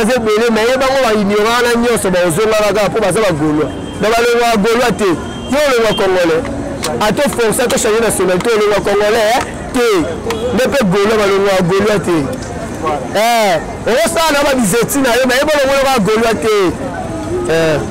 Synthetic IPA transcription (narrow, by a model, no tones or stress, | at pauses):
zebelemɛjebaŋɡobainiokanaɲɔsɔbaozoŋakakaapobazabaɡolua | babaloŋɡɔaɡolwate | tooloŋɡakɔŋɡɔlɛ | atofoŋsatoʃanenasonɛltoloŋɡakɔŋɡɔlɛ | te | ndepeɡoluabaloŋɔjaɡoluate | ɛ | okosanababizetinajomaeboloŋɡolokaɡolwate | ɛ